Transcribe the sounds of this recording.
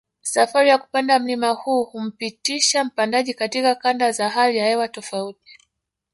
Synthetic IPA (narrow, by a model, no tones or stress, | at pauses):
safaɾijaku̥pandam̩limahuːhum̩pitiʃam̩pandaʄikatikakandazaɦalijahɛwatɔfauti̥